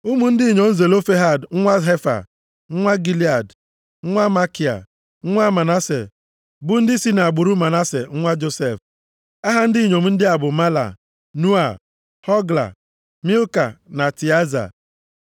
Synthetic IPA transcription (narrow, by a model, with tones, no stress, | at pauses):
u˦mu˨n̩˦dɪ˦˨ɲo˨n̩˦ze˨lo˦fe˦ɦa˨dŋ̩˦ŋʷa˦ɦe˦fa̰˨ | ŋ̩˦ŋʷa˦ɡi˦li˦a˨d | ŋ̩˦ŋʷa˦ma˦ki˨a̰˨ | ŋ̩˦ŋʷa˦ma˨na˦sḛ˨ | bʊ˦n̩˦dɪ˦si˦na˨a˨ɡ͡bʊ˨ɾu˦ma˨na˦se˨ŋ̩˦ŋʷa˦d͡ʒo˦se˦˨f | a˦ɦa˦n̩˦di˦˨ɲo˨mu˨˦n̩˦dɪ˦a˨bʊ˨ma˦la̰˨ | nu˦a˨ | hɔ˦ɡla̰˨ | mi˦lka˨na˨ti˨a˦za̰˨